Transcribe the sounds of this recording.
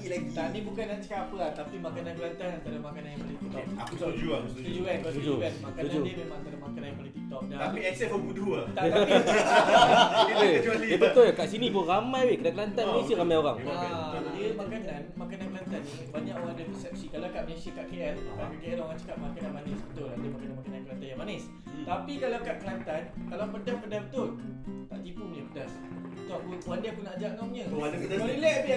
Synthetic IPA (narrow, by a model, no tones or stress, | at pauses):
ilɛt̪anĩbukanat͡ʃə̥kaapəlat̪apimakananbəlant̪anant̪aɾamakanajinpalit̪it̪ɔkad͡ʒut̪ud͡ʒuankt̪ud͡ʒuanmakanud͡ʒudiəbemant̪aɾamakanajinpalit̪it̪ɔʔ̚naapiɛksɛsbəbuduat̪ai | iekət͡ʃualidiəbət̪olakaʔsinĩbuɾamãjwekənakəlant̪amẽsəɾamajoɾaŋaadiəmakanãnmakanankəlant̪anːi | baɲãʔwandapusɛp̚sikalakaʔmənesikaʔkeʔɛnkakəkeɛnoɾaŋt͡ʃə̥kaʔ̪̚makanãnmanɪsbət̪ʊladəmakananmakanankəlant̪anjamanɪs | t̪apikalakatʔ̪̚kəlant̪ankalawpədapədabət̪ʊlt̪aʔt̪ibumnəpədas | t̪uaunwandapʊnːaʔd͡ʒaŋaŋɲə̃adakdakalilɛʔpi